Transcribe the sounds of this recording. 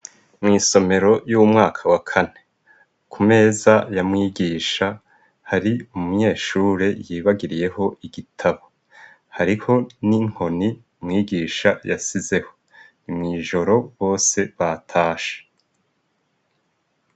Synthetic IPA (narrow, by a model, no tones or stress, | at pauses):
mŋiːso̞me̞ɾo̞jumŋaːkʰawakʰane̞ | kʰume̞ːzajamŋiːɡiːʃa | haɾiumuɲe̞ːʃuːɾe̞jiːβaɡiɾije̞ho̞ʔiɡitʰaβo | haɾiho̞niŋ̥ho̞ni | mŋiːɡiːʃaja̰size̞ho̞ | nimŋiːʒo̞ɾo̞βo̞ːse̞βatʰaːʃe̥